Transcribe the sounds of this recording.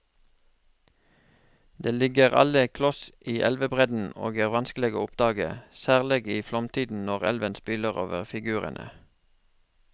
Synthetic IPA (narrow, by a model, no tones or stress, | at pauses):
d̪eːlɪɡəʁɑ̰ləkʰlɔsʔiːʔɛlʋəbʁɛd̪n̩o̰ːɡæːʁʋɑnsklɛɡəʊpd̪ɑːɡə̰sæːʁlɛɡiːflɔmt̪ʰiːd̪n̩nɔʁɛ̰lʋənspɪləʁo̰ːʋəʁfɪɡʉːʁə̰nʔə̰